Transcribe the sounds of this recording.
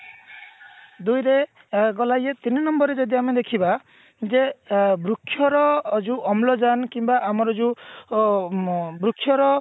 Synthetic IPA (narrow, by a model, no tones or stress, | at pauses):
d̪ujɾe | ɡɔlajet̪ininɔmbɔɾed͡ʒɔd̪iamed̪ekʰiba | d͡ʒebɾukʰːjɔɾɔd͡ʒuʔɔmlɔd͡ʒankimbaʔamɔɾɔd͡ʒu | bɾukʰːjɔɾɔ